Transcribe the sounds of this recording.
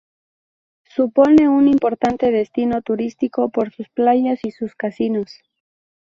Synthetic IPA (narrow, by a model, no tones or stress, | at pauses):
supo̞ne̞unimpo̞ɾt̪ant̪e̞ð̞e̞st̪ino̞t̪uɾist̪iko̞po̞ɾsusplaʝasisuskasinos